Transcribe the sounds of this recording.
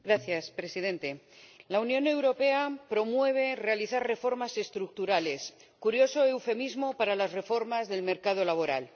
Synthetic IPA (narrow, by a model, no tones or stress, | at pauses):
ɡɾaθjaspɾe̞sið̞ẽ̞nt̪e̞launjõ̞ne̞wɾo̞pe̞apɾo̞mwe̞β̞e̞re̞aliθarre̞fo̞ɾmase̞st̪ɾuk̚t̪uɾale̞s | kuɾjo̞so̞e̞wfe̞mizmo̞paɾalazre̞fo̞ɾmazðe̞lme̞ɾkað̞o̞laβ̞o̞ɾa̰l